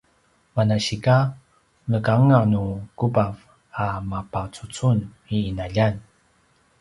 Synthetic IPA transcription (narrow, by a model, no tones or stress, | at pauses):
manaɕika | nəkaŋanukubav | amapat͡sut͡sun | iːnaʎan